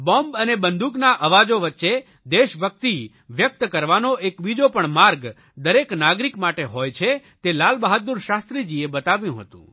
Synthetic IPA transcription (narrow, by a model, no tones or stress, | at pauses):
bɔmbənebənd̪ʱuknaʔəʋad͡ʒoʋətːʃe | d̪eʃbʱək̚t̪i | ʋjək̚t̪kəɾʋanoʔekbid͡ʒopəɳmaɾɡ | d̪əɾeknaɡɾikmaʈeɦojt͡ʃʰet̪elalbəɦət̪̚ːuɾʃast̪ɾid͡ʒiebət̪aʋjũɦə̰t̪ṵ̃